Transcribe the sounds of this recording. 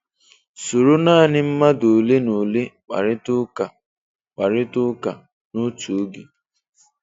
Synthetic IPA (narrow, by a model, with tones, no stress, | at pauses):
su˨ɾu˦naː˦˨nɪ˦m̩˦ma˦do˨le˦no˨le˦k͡pa̰˨ɾɪ˦tʊ˦ka˨ | k͡pa˨ɾɪ˦tʊ˦ka˨ | no˦tu˨˦ɡi˨